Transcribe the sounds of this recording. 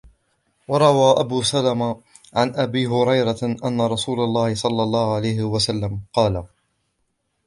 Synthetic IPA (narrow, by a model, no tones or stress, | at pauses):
wɑɾˤɑwaːʔabuːsalama | ʕanʔabiːɦʊɾɑjɾaʔanːaɾˤɑsuːlalˤːɑːhɪsˤɑlːɑlˤːɑːhʊʕalajhɪwasalːamqɑːla